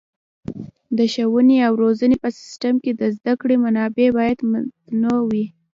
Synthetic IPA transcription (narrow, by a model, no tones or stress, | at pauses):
d̪əʃawəneawɾozənepəsɪ̥sʈamked̪əzd̪akɽemanɑbebɑjad̪mt̪nowi